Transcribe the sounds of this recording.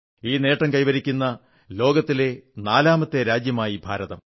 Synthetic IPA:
iːne̞ːʈːɐŋkɐjʋɐɾikʲːunːɐ | lo̞ːɡɐt̪ːilenaːlaːmɐt̪ːe̞ɾaːd͡ʑjɐmaːjibʱa̰ːɾɐðɐ̰m

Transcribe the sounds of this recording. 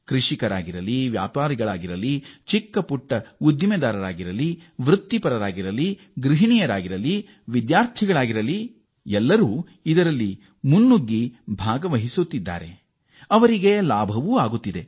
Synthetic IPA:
kɾiʂikɐɾa̰ːɡiɾɐliʋja̰ːpaːɾiɡɐɭaːɡiɾɐlit͡ʃikːɐpuʈːɐud̪jimed̪aːɾɐɾaːɡiɾɐliʋɾut̪ːipɐɾɐɾaːɡiɾɐli | ɡɾiɦinijɐɾaːɡiɾɐli | ʋid̪jaːɾt̪ʰiɡɐɭaːɡiɾɐli | ɛlːɐɾuː | id̪ɐɾɐlːi | munːuɡːibʱaːɡɐʋɐɦisut̪ːid̪ːa̰ːɾe̞̰ | ɐʋɐɾiɡe̞laːbʱɐʋuːaːɡut̪ːid̪e̞

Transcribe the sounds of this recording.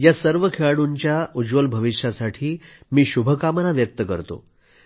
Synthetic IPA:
jasəɾʋəkʰeɭaɽuɲt͡ɕjaud͡zʋəlbʱəʋiʂasaʈʰiːmiːɕubʱəkamənaʋjək̚t̪əkə̰ɾt̪o̰

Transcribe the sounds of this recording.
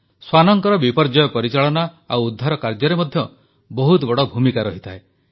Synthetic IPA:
swanɔŋkɔɾɔbipɔɾd͡ʒɔjɔpɔɾit͡ʃaɭɔna | awud̪ʱːaɾɔkaɾd͡ʒɔɾemɔd̪ʱjɔ | bɔɦut̪ɔbɔɽɔbʱumikaɾɔɦit̪ʰae

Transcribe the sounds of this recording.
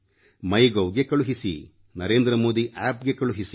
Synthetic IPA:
mɐjɡɐwɡe̞kɐɭuɦisḭ | nɐɾe̞ːnd̪ɾɐmoːd̪iʔaːpɡe̞kɐɭuɦis

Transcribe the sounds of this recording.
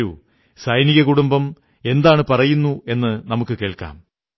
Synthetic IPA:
ṵ | sɐjniɣɐkuɽumbɐm | e̞nd̪aːɳɨpɐrɐjunːue̞nːɨnɐmukːɨke̞ːɭka̰ːm

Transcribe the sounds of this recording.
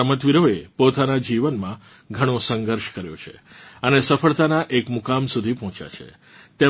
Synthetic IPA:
əmət̪ʋiɾoepot̪anad͡ʒiʋənmã | ɡʱəɽ̃osə̃ŋɡəɾʃkəɾjo̰t͡ʃʰḛ | ənesəfəɭt̪anaʔekmukamsud̪ʱipɔɦɔ̃t͡ʃja̰t͡ʃʰḛ | t̪e

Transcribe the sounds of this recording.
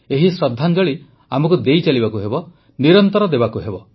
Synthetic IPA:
eɦisɾɔd̪ʱːand͡ʒɔɭi | amɔkud̪ejt͡ʃalibakuɦebɔ | niɾɔnt̪ɔɾɔd̪ebakuɦebɔ

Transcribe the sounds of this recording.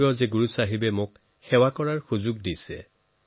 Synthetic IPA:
jɔzeɡuɹusaɦibɛmʊk | xɛwakɔɹaɹxuzʊɡdisɛ̰

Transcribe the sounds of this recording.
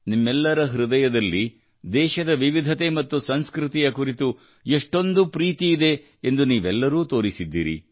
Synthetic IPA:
nimːɛlːɐɾɐɦɾud̪ɐjɐd̪ɐlːi | d̪ɛːʃɐd̪ɐʋiʋid̪ʱɐt̪e̞mɐt̪ːusɐnskɾɪt̪ijɐkuɾit̪u | eʂʈo̞nd̪upɾiːt̪iːd̪e̞ | end̪uniːʋɛlːɐɾuːt̪o̞ːɾisid̪ːḭːɾḭ

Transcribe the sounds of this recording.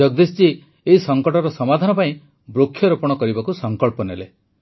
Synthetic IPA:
ɔɡ̚d̪ist͡ʃi | eɦisɔŋkɔʈɔɾɔsɔmad̪ʱanɔpaĩ | bɾokʰːjɔɾɔpɔɽ̃ɔkɔɾibakusɔŋkɔɭpɔnele

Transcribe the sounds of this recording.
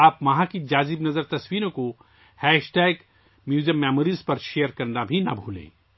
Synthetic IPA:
aːpmɐɦãkid͡ʒaːzɪbnɐzəɾt̪ɐswiːɾõko | hɛːʃʈɛːɡ | mjuːd͡ʒiəmːɛːmoːɾiːzpɐɾʃejəɾkɐɾnabʱinɐbʱuːlḛ̃ː

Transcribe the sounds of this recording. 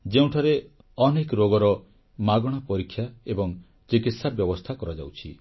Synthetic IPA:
d͡ʒeũʈʰɔɾe | ɔnekɾoɡɔɾɔ | maɡɔɽ̃ɔpɔɾikʰːjaebɔŋ | t͡ʃekit̪sabjɔbɔst̪ʰakɔɾɔd͡ʒa̰wt͡ʃʰḭ

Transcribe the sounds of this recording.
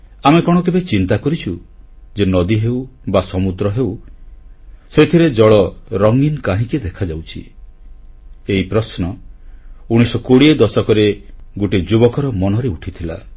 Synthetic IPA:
amekɔɽ̃ɔkebet͡ʃint̪akɔɾit͡ʃʰu | d͡ʒenɔd̪iɦewbasɔmud̪ɾɔɦew | set̪ʰiɾed͡ʒɔɭɔɾɔŋinkaɦĩkid̪ekʰad͡ʒawt͡ʃʰḭ | eipɾɔsnɔ | uɽ̃isɔkoɽied̪ɔsɔkɔɾeɡoʈid͡ʒubɔkɔɾɔmɔnɔɾeuʈʰit̪ʰila̰

